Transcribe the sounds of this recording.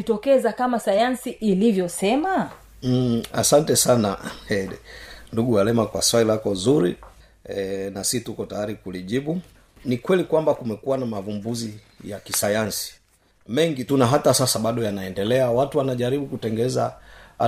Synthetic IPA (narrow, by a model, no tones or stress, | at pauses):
itɔkɛzakamasajansiʔːlivjɔsɛma | a̰santɛsanaɛ | nduɡuwalɛmakwa̰swalilakɔzuɾi | ɛnasitukɔtajaɾikuliʄiɓu | nikwɛlikwambakumɛkuwanamavumbuzi | jakisajansi̥ | mɛŋɡitunaɦatasasaɓaɗɔjanaɛndɛlɛawatuwanaʄaɾiɓukutɛŋɡɛza